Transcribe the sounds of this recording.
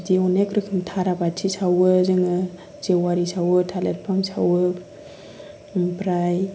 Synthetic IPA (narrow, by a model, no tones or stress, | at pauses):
diɔnekɾɯkʰɯmtʰaɾabatʰisawɯzɯŋɯ | zewaɾisawɯtʰaleɾ̚pʰamsa̰wɯ | pɾaj